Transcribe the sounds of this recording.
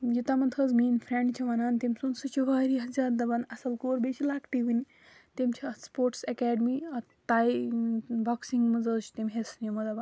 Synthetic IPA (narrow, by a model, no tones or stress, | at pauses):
jit̪amɐnt̪ʰəzmiːnfʰɾẽɳɖt͡ʃʰɐʋɐnant̪emʲsunsɨt͡ʃʰiʋaɾiɐzʲat̪̚d̪ɐbanɐsɐlkoːɾbeʃilaːkʈiʋini | t̪emt͡ʃʰaspoːɾʈsɐkɛɖmiɐ | t̪aj | baksiŋɡmɐd͡zət͡ʃt̪emʲɦesnimɐdɐba